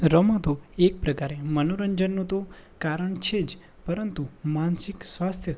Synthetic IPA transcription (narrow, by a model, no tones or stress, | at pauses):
ɾəmət̪oek̚pɾəkaɾemənoɾəɲd͡ʒənːũt̪o | kaɾəɳt͡ʃʰed͡ʒ | pəɾənt̪umansiksʋast̪ʰjə